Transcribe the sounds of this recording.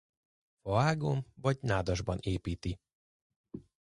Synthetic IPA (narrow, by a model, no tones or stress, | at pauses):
fɒaːɡoɱvɒɟnaːd̪ɒʒbɒneːpiːt̪i